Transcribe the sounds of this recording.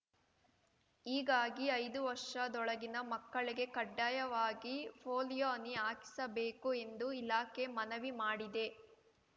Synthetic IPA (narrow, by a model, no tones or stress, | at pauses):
iːɡaːɡiɐjd̪uʋɐɾʂɐd̪ɔɭɐɡinɐmɐkːɐɭiɡe̞kɐɖːaːjɐʋaːɡipʰoːlijoːniaːki̥sɐbe̞ːkue̞nd̪uilaːke̞mɐnɐʋimaːɽid̪e̞